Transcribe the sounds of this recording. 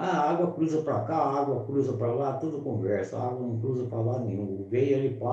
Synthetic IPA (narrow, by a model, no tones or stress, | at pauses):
aaɡwɐkɾuzɐpɾɐkaaɡwɐkɾuzɐpɾɐlat̪od̪ʊkõvɛɾsɐa̰ɡwɐnɐ̃w̃kɾuzɐpɾɐlanẽũvejelɪpa